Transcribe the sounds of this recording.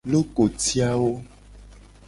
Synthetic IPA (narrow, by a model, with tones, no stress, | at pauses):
lo˦ko˨ti˦a˦wo˦